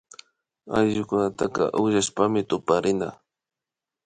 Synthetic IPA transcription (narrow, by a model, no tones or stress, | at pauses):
ajʒʊkʊnat̪aqɑ̰ʔʊʒaʃpamɪt̪ʊpaɾɪna